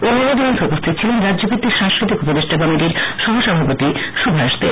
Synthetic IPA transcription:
onoɾod̪ʱont̪ʰupost̪ʰit̪ːt͡ɕʰilenɾad͡ʑʑokit̪ːiɾʃaŋskɾit̪ikupod̪eʃʈʰakɔmiʈiɾʃɔɦoʃɔbʱapot̪iʃubʱaɾaʃt̪ḛɾ

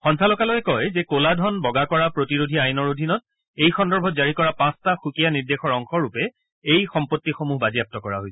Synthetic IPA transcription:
xɔnsʰalɔkalɔjɛkɔjzɛkoladʱɔnbɔɡakɔɹapɹotiɹodʱiajnɔɹodʱinɔt̚ | ejxɔndɔɹbʱɔtzaɹikɔɹapãstaxukijaniɹdexɔɹɔŋxɔɹupɛ | ejxɔmpotːixomuɦbaziap̚tɔkɔɹa̰ɦojsɛ̥

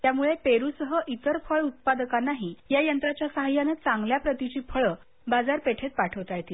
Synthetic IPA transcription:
t̪jamuɭepeɾusəɦəʔit̪əɾfʰəɭut̪̚pad̪əkanːaɦiːjajənt̪ɾat͡ɕjasəɦajanet͡sãŋɡljapɾət̪it͡ɕiːpʰəɭə | bad͡zaɾpeʈʰet̪̚paʈʰəʋt̪ajt̪iː

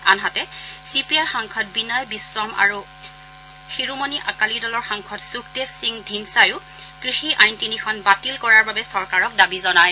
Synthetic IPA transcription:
a̰nɦatɛsipiaɹxɔŋkʰɔt̚binɔjbisɹɔma̰ɹu | xiɹumoniʔakalidɔlɔɹxɔŋkʰɔtsuktefsiŋdʱinsajʊ | kɹixiʔajntinikʰɔnbatilkɔɹaɹbabɛsɔɹkaɹɔk̚dabizɔnaj

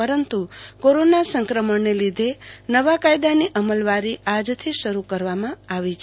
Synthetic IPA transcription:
əɾənt̪ukoɾonasəŋkɾəməɳnelid̪ʱenəʋakajd̪aniʔəməlʋaɾiad͡ʒt̪ʰiʃəɾukəɾʋamãaʋit͡ʃʰe

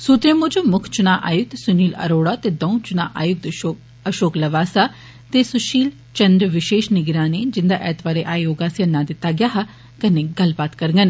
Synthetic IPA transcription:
suːt̪ɾẽːmʊd͡ʒomʊkʰt͡ʃʊnãːʔa̰ːjʊk̚t̪sʊniːlə̰ɾoːɽaːt̪eːd̪ɔũt͡ʃʊnã̰ːʔaːjʊk̚t̪ː | əʃoːkləʋaːsaː | t̪eːsʊʃiːl | t͡ʃənd̪ɾəʋɪʃeːʃnɪɡɾãːneːd͡ʒɪnd̪aːʔɛːt̪baːɾeːʔaːijoːɡaːsiənãːd̪ɪt̪ːaːɡɪjaːɦa | kəneːɡəlbaːt̪kəɾŋɡən

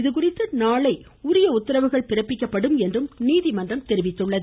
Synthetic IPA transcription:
ɪðɯk̬ʊrɪt̪ːɯnaːɭɐɪ | ʊɾɪjɐʊt̪ːɪɾɐʋɯɣɐɭpɪrɐpːɪkːɐpːɐɽɯmɛndrɯmniːðimɐndrɐmt̪ɛɾɪʋɪt̪ːɯɭːɐðɯ

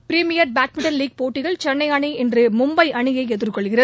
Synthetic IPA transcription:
pɪɾiːmɪjɐɾbaːʈ̚mɪɳʈɐnliːɡ̚poːʈːɪɣɐɭt͡ʃɛnːɐɪjaːɳiɛndrɯmʊmbɐɪʔɐɳɪjɐɪɛðɯrkɔɭɣɪrɐðɯ

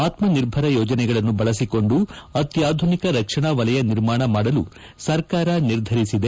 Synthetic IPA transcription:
aːt̪mɐniɾbʱɐɾɐjɔːd͡ʒɐnɛɡɐɭɐnːubɐɭɐsiko̞ɳɖuɐt̪jaːd̪ʱunikɐɾɐkʂɐɳaʋɐlɐjɐniɾmaːɳɐmaːɽɐlu | sɐɾkaːɾɐniɾd̪ʱɐɾisid̪e

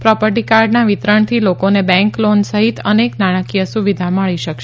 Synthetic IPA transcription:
pɾɔpəɾʈ̬ikaɾɖnaʋit̪ɾəɳt̪ʰilokonebɛ̃ŋklonsəɦit̪əneknaɽ̃akijəsuʋid̪ʱaməɭiʃəkʃ

